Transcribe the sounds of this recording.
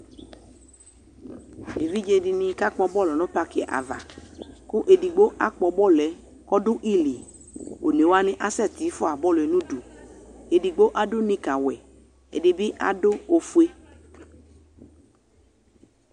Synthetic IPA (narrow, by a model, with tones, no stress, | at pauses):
e˨vi˦d͡ʒe˧di˧nĩ˧ka˦k͡pɔ˧bɔ˦˨lɔ˨nɔ̃˦pa˧kɪ˦ɛ̰˨ʔa̰˨va̰˨kʊ˦ʔe˧di˨ɡ͡bo˦ʔa˦k͡pɔ˧bɔ˦lɛ˨˦ | kɔ˦dʊ˦ʔi˦li˨ | o˨ne˨wa˦nɪ̃˦ʔa˨sɛ˦˨t̪i˨˦fʊ˦a˨bɔ˦˨lɛ˨nũ˦du˨e˨di˨ɡ͡bo˦ʔa˦dʊ˦nĩ˧ka˨wɛ˨ | ḛ˨dɪ˧bɪ˦ʔa̰˨dʊ˦o˧fu˦e˦